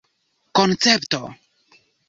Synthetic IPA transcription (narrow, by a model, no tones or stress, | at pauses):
kont͡septo̰